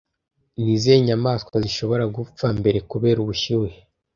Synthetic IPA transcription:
nizeɲamaːskaziʃo̞βo̞ɾaɡup͡fambe̞ɾe̞kuβe̞ːɾuβuʃiwe

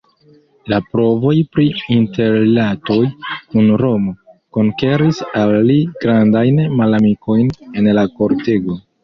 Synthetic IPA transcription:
lapɾo̞vo̞jpɾiinte̞ɾlato̞jkunɾo̞mo̞ko̞ŋke̞ɾisalːiɡ̥ɾandajnmalamiko̞jne̞nlako̞ɾte̞ɡo̞

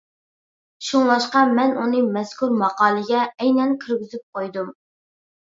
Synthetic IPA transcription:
ʃuŋlˠɑʃqɑmɛnunɨmɛskʰuɾmɑqɑːlˠɨɡʲɛɛjnɛnkʲʰyɾɡʲyzyp̚qʰojd̪um

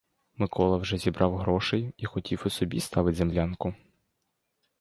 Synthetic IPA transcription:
mɪkʰɔlˠɐwʒɛzʲibɾʔɑwɦɾɔʃɛjixɔtʲiwʊsɔbʲist̪ɑʋɪtʲzemlʲɑnkʊ

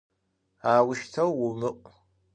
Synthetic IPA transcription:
aːwʊʃt̪ʰɐwːʊmɨʔʷʼ

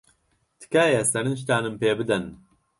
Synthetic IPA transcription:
t̪ʰɨ̥kaːjɛsɐɾɨnʃ̬t̪aːnɨmpeːbɨd̪ɐn

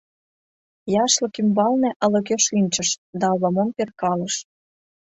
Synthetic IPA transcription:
jɑʃlɤ̆kymbɑlnĕʔə̆lɤ̆keʃinʲt͡ɕə̆ʃd̪ɑβɤ̆momperkɑlə̆ʃ

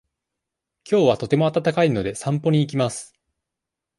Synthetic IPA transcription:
kʲo̞ːβat̪o̞t̪e̞mo̞at̪at̪akaino̞d̪e̞sãmpo̞ɲ̟iːk̬ʲimasɨ̥

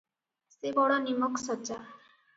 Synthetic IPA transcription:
sebɔɽɔnimɔksɔt͡ʃa

